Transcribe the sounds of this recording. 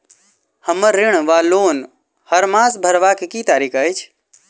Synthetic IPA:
həməɾːɪɳ̃ʋaloːn | həɾmãːsbʱəɾʋakekiːt̪aːɾiːkʰəjt͡ʃʰ

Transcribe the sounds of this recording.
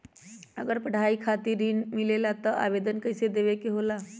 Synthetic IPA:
əɡəɾpəɽ̤aikʰat̪iɾːinmilelat̪əʔa̰ʋed̪ənkəjsed̪eʋekeɦola

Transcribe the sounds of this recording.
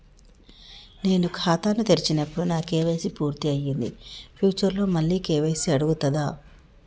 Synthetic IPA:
ne̞ːnukʰaːt̪aːnut̪eɾit͡ʃinɐpːuɽunaːkeːʋeːsipuːɾt̪iɐjːind̪ḭpʰjuːt͡ʃɐɾlo̞ːmɐɭːiːkeːʋeːsiɐɽuɡut̪ɐd̪aː

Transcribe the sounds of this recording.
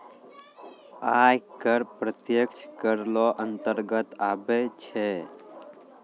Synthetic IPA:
ajkəɾpɾət̪jəkt͡ʃʰkəɾlɔʔənt̪əɾɡət̪abɛt͡ʃʰɛ

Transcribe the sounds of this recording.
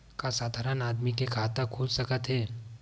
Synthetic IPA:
kasaːd̪ʱaːɾənaːd̪mikekʰaːt̪akʰuːlsəkət̪ɦɛː

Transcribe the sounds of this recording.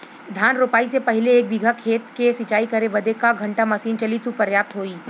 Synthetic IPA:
d̪ʱjaːnɾoːpaːisepɐɦɪleːk̚bɪɡʱakʰeːt̪kesɪt͡ʃaːikɐɾebɐd̪ekaɡʱɐ̃ɳʈamɐsiːnt͡ʃɐlit̪upɐɾjaːp̚t̪ɦoːiː

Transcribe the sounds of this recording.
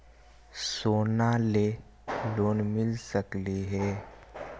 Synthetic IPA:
soːnale | loːnmɪlsəkliɦɛː

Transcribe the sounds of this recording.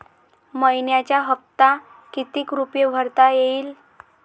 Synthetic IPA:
məjnjat͡ɕjaɦəp̚t̪a | kit̪iːkɾupjebʱəɾt̪ajeiːl

